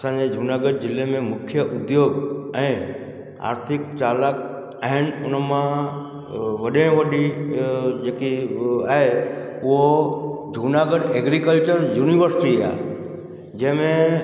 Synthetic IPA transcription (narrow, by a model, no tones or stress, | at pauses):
ɐsãːd͡ʑed͡ʑʱuːnaːɡəɖ̚d͡ʑɪlemẽmʊkʰjəʔʊd̪joːɡɛ̃ː | a̰ːɾt̪ʰɪkt͡ɕaːlak | aːɦɪnɪ̆ʊnəmã | ʋɐɗẽʋɐɗi | d͡ʑeːkiaːɦe | ʊɦod͡ʑʱuːnaːɡəɖeːɡɾikəlt͡ɕəɾjuːniʋəɾsɪ̥ʈia̰ː | d͡ʑɛ̃ɦɪ̃mẽ